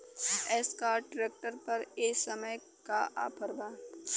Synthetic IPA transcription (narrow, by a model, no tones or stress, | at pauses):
ɛːskaːɾʈɾeːk̚ʈəɾpɐɾeːsɐməj | kaʔa̰ːpʰəɾbaː